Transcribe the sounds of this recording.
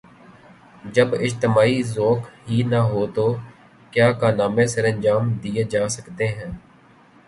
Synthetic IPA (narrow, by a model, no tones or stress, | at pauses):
d͡ʒəbɪd͡ʒt̪ɪmaːizoːkɦiːnəɦoːt̪oː | kjaːkaːnaːmẽsəɾə̃nd͡ʒaːmd̪ieːd͡ʒaːsəkt̪eɦɛ̃ː